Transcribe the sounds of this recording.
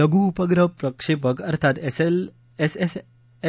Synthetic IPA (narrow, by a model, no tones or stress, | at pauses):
ləɡuːpəɡɾəpɾəkʂepəkəɾt̪ʰat̪ | s